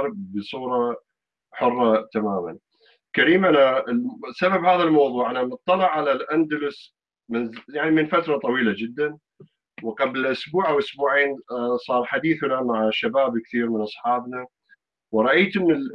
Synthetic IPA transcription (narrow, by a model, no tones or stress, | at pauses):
ɾbəsˤuːɾˤɑ | ħʊrˤːɑt̪amaːma̰n | kaɾiːmʔanasababhaːðalmɑwðˤuːʕʔanamɨt̪ˤːɑlɪʕːalalʔand̪alʊs | mɪnjaʕnimɪnfat̪ɾˤɑt̪ˤɑwiːlad͡ʒɪd̪ːan | wqɑblɪlʔʊsbuːʕawʔʊsbuːʕeːnsˤɑːɾˤħad̪iːθnamaʕaʃabaːbkθiːɾmɪnʔɑsˤħɑːbna | wɾˤɑʔajt̪mɪ